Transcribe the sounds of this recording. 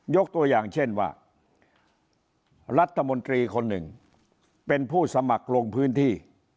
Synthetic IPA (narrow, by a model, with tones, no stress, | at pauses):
jo˦˥k̚t̪u˧ɐjaː˨˩ŋt͡ɕʰe˥˩nwa̰ː˥˩ | ɾa˦˥t̪ʰːa˧mo˧nt̪ɾiː˧kʰo˧nːɯ̰˨˩ŋ | pe˧npʰuː˥˩sa˧ma˨˩k̚ɾo˧ŋpʰɯː˦˥nt̪ʰiː˥˩